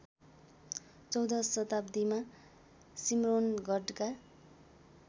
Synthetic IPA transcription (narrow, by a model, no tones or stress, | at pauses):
t͡sʌwd̪ʌsʌt̪abd̪ima | simronɡʱʌɖka